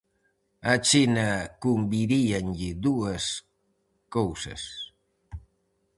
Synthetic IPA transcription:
at͡ʃinakumbiɾianʎid̪uas | kowsɐ̰s

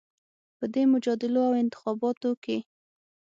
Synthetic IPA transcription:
pəd̪emʊd͡ʒɑd̪ɪloawɪnt̪ɪ̥xɑbɑt̪oke

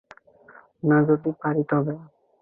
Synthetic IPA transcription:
nad͡ʒod̪ipaɾit̪ɔɦbɛa

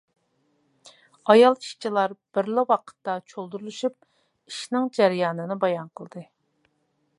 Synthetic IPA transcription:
ɑjɑlˠi̥ʃt͡ʃʰilˠɑɾb̥ɪɾlɪwɑqʰə̥t̪ːɑt͡ʃʰolˠd̪uɾulˠuʃyp̚ | iʃnɪŋd͡ʒæɾɪjɑːnɨnɨbɑjɑnqʰəlˠɨd̪ɨ

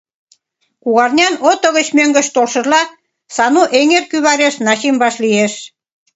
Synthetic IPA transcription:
kuɣɑrnʲɑnot̪ŏɣə̆t͡ɕmøŋɡə̆ʃt̪olʃə̆rlɑ | sɑnuʔeŋerkyβɑɾeʃnɑɕimbɑʃlieʃ

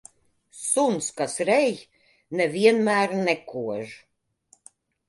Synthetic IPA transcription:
sunskasɾɛj | nɛviɛnmæːɾnɛkuɔʒ

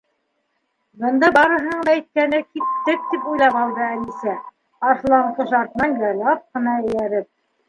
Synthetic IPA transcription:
bɤ̆nd̪ɑbɑɾɤ̆ɦɤ̆ɴd̪ɑæjt̪̚kænɘkit̪ːɘk̚t̪ipujlˠɑpɑlˠd̪ɤælisæ | ɑʃlˠɑɴqɤʃɑɾt̪ɤ̆nɑnjɑjlˠɑp̚qɤ̆nɑɘ̆jæɾɘp̚

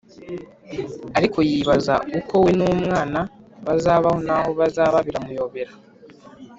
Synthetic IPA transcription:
aɾikʰo̞jiβaza̰uko̞wenuːmŋaːna | βazaːβaho̞naho̞βazaːβaβiɾamujo̞ːβe̞ɾa

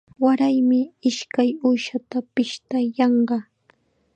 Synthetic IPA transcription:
waɾajmɪɪʃkajuːʃat̪apɪʃt̪ajɑɴɢɑ

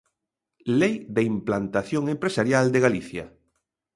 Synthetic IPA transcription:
lejd̪eimplant̪aθjoŋẽmpɾesaɾjald̪eɣaliθja̰

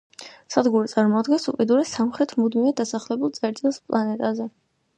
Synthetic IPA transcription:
sad̪ɡuɾit̪sʼaɾmɔd̪ɡɛnsupʼid̪uɾɛsamχɾɛt̪ʰmud̪miɛd̪asaχlɛbulˠt̪sʼɛɾt̪ʼilˠspʼlˠanɛt̪ʼazɛ

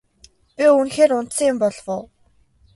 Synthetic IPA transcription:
pʲiunxeːɾʊnt̪sə̆ŋjɪmpɔɮʁʊː

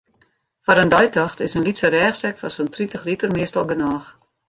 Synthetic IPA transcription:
fɔɾəndɔjtɔxtɪsənlitsəɾɛːxsɛkfɔnsəntritəxlitərmɪəstɔlˠɡənɔːx

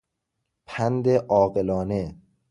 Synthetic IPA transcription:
pʰænd̪eʔɒːɣelɒːne

